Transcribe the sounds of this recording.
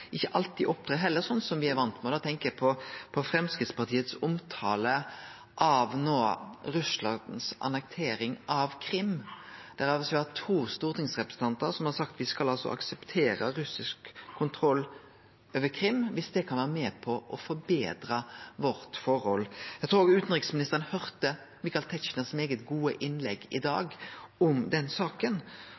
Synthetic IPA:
ʔɪçːəʔɑlt̪iʔɔp̚t̪ʰɾɑːɦɛlːəɾsɔnːsɔmʋɪæɾʋɑnt̪mɛd̪ɛːt̪ʰɛŋkəpʰɔpʰɔfɾɛmskʁɪt̪spɑt̪ʰiːət̪sʊmt̪ʰɑːlə | ʔɑʋnoːɾʉslɑnd̪n̩sɑ̰nɛk̚t̪ʰeːɾɪŋɑʋkʰɾɪmd̪̥æɾɑʋsʋɪhɑt̪ʰuːst̪uːʁt̪ɪŋsʁɛpɾʁəsn̩t̪ɑnt̪əɾsɔmhɑɾsɑkt̪ʋɪskɑlɑlsɔ̰ʔɑ̰ksɛpt̪ʰeːɾəɾʉsɪskʰːʊnt̪ʰɾɔlː | oøːʋəkʰɾɪmːʋɪsd̪ɛkʰɑnʋæːʁəmɛːpʰɔʔɔfɔɾbeːd̪ɾɑʋɔɾt̪fɔɾhɔlːjæɡt̪ɾuːɾoɡʉːt̪n̩ʁɪksmɪnɪst̪əʁənhœɾt̪ə | mɪkɑlt̪ʰɛt͡ʃnəsmeːɡət̪ɡuːəʔɪnlɛɡːɪd̪ɑ̰ːɡɔmd̪ɛnsɑːkən

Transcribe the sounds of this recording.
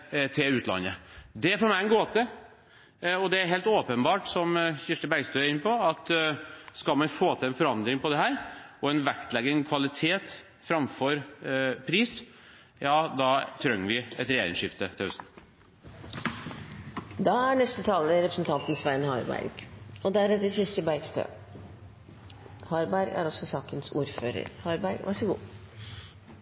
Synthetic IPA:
t̪ʰɪlʉːt̪ʰlɑ̰nːəd̪ɛfoːɾmæɪɛnɡoːt̪ʰɪ | ɔd̪ɛæɾɦeːlt̪oːpənbɑːʈsɔmçɪʂʈəbæɾɡst̪øːæɾɪnːəpɔɑt̪skɑlmɑnfoːt̪ʰɪlɛnfɔɾɑnd̪ɾɪŋpɔd̪ɛɦæːɾɔɛnʋækt̪lɛɡənkʰʋɑlɪt̪ʰeːt̪ | fɾɑmfɔɾpʰɾiːs | jɑːd̪ɑt̪ʰɾœŋːʋɪɛt̪ɾɛjeːɾɪ̰ŋʂɪft̪ət̪ʰɪhʉsn̩ | d̪ɑæɳɛst̪ət̪ʰɑːləɾɛpɾəsnt̪ʰɑnt̪n̩sʋæɪnhɑɾbæ̰ɾɡ̥ɔd̪æɾɛt̪ːəɾsɪst̪əbæɾɡst̪ʰø̰ː | hɑːɾbæɾɡæ̰ɾɔsɔsɑːkənsṵːɾføːɾə̰ɾhɑɾbæɾɡʋʔæʂəɡṵː

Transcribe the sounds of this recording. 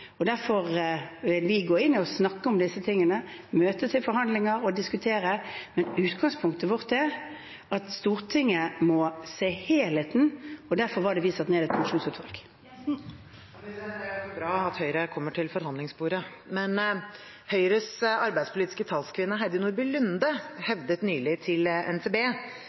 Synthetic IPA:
ɔd̪æɾfɔʁʋɪlʋɪɡoːɪnːɪɔsnɑkːəɔmd̪ɪsːət̪ʰɪŋːənəmøːt̪ət̪ʰɪlfɔɾɦɑnd̪lɪŋəɾɔd̪ɪskʉt̪ʰeːɾəmɛnʉːt̪ɡɑŋspʰʊŋk̚t̪əʋɔʁt̪æ | ɑt̪st̪uːʁt̪ʰɪŋːəmɔseːheːlheːt̪n̩ɔd̪æʁfɔʁʋɑɖɛʋiːsɑt̪neːd̪ɛt̪̚pʰɑŋʂuːnsʉːt̪ʰʋɑlk | bɾɑːɑt̪hœʏɾəkʰɔmːəʈʰɪlfɔɾhɑnd̪lɪŋsbuːɾə | mɛn | hœʏɾəsɑɾbæɪd̪spʰʊliːt̪ɪ̥skət̪ʰɑːlskʰʋɪnːəɦæd̪ɪnʊːɾbɪlʉnd̪əhɛʋd̪ət̪nyːlɪt̪ʰɪlɛ̰nsʰeːbeː

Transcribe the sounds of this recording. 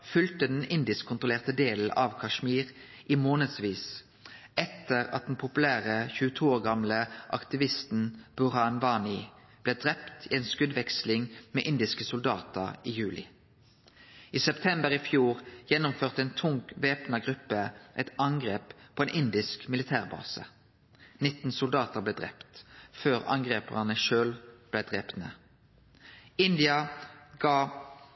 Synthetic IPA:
fʉlt̪əd̪ɛnɪnd̪ɪskʰːʊnt̪ʁʊleːʁt̪əd̪eːl̩ʔɑʋkʰɑʃmiːʁ | ʔiːmoːnəd̪sʋiːs | ɛt̪əʁɑ̰t̪̚d̪n̩pʰʊpʉlæːʁəçʉːt̪ʰuːoːʁɡɑmləʔɑ̰kt̪ɪʋɪst̪n̩b̥ʉʁɑnʋɑːnɪ | b̥leːd̪ʁɛpt̪ʰiːeːnskʉd̪ʋɛkslɪŋmḛːʔɪnd̪ɪskəsʊld̪ɑ̰ːt̪əʁiːjʉːlʔɪ̰ | iːsɛpt̪ʰɛmbəʁifjuːʁjɛnʊmføːʁt̪əeːnt̪ʰʊŋkʋeːpnɑɡʁʉpːəʔɛt̪ɑŋɡʁeːppʰoːeːnɪnd̪ɪskmɪlɪt̪ʰæːʁbɑ̰ːsə̰ | nɪt̪n̩sʊld̪ɑːt̪əʁbleːd̪ʁɛ̰pt̪føːʁɑ̰ŋɡʁeːpə̰nəʃøːlb̥læd̪ʁeːpnə | ɪnd̪ɪɑɡɑː

